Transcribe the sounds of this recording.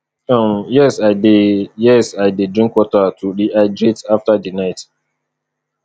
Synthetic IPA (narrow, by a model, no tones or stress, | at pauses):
omjɛsaɪdejɛsaɪdedɾĩŋkwɔtatʰuɾiʔad͡ʒetaftadinaɪt